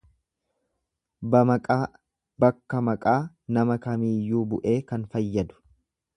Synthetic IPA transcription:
bɐkʼː | bɐkːɐmɐkʼaː | nɐmɐkɐmiːjːuːbʊʔe̞ːkɐnfɐjːɐd̪ʊ̥

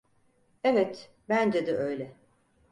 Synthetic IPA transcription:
evɛt̪ | bænd͡ʒed̪ɛøjlʲɛ

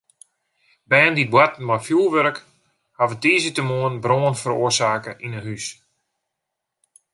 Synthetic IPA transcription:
bɛːndit̚bwatn̩majfjulˠʋøɾək | havətiːzitəmoənbroːənfəɾo̰əsaːkəʔinəhys

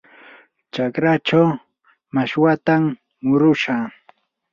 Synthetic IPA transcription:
t͡ʃakɾat͡ʃaw | maʃwat̪amː | ʊɾʊʃaː

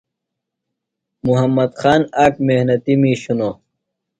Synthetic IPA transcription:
muɦɐmːɐd̪xaːnaːkmehnɐt̪imiːɕuno

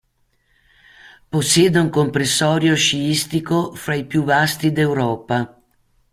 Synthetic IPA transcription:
posːjɛːd̪euŋkompɾesːɔːɾjoʃiist̪ikofɾajpjuvast̪id̪ewɾɔːpa

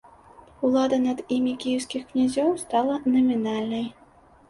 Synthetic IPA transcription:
ulˠɑd̪ɐnad̪imʲikʲijiwskʲixknʲazʲɔwst̪ɑlˠənɐmʲinalʲnɐj

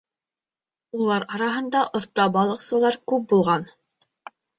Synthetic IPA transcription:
ulˠɑɾɑɾɑɦɤ̆nd̪ɑʔŏθt̪ɑbɑlˠɤ̆qsɤ̆lˠɑɾkʉp̚bulˠʁɑn

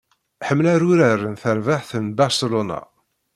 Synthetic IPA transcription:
ħəmːlæɾʊɾærːənθəɾvaħθənbaɾsəlona̰

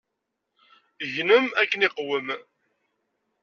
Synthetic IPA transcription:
ʝnəmækːənɪqwəm

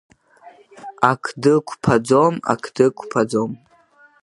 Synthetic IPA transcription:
akʷʰdɨkʷʰpʰad͡zo̞ma̰kʰd̥ɨkʷʰpʰad͡zom

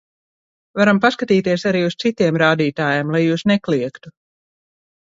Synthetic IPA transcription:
vaɾampaskat̪iːt̪iɛsaɾiːust̪sit̪iɛmɾaːd̪iːt̪aːjaːmlˠajːuːsneklˠiɛkt̪u

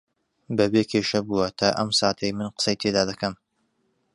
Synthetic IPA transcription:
bɐbeːkʰeʃɐbuwɐt̪ʰaːʔɐmsaːt̪ʰɐjmɨnqə̥sɐjt̪ʰed̪aːd̪ɐkɐm

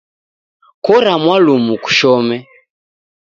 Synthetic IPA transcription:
kɔɾamwalumuku̥ʃɔmɛ

